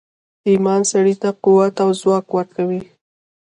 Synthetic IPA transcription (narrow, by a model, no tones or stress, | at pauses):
imɑnsaɽit̪aquwat̪awzwɑkwəɾkawi